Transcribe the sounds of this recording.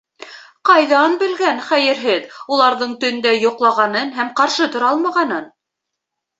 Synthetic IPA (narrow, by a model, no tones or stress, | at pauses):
qɑjðɑnbɘ̆lɡænχæjɘ̆ɾɦɘðulˠɑɾðɤɴt̪ɵ̆nd̪æjŏqlˠɑʁɑnɤnɦæmqɑɾʃɤt̪ŏɾɑlˠmɑʁɑnɤn